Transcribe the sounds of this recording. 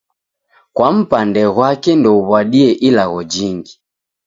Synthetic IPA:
kwam̩pandɛɣwakɛndɔuβwaɗiɛʔilaɣɔd͡ʒiŋɡi

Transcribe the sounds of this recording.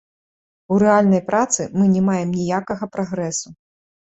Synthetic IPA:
uɾɛalʲnɐjpɾʔat̪sɨmɨnʲɛmajɛmnʲijakɐɣɐpɾaɣɾɛsu

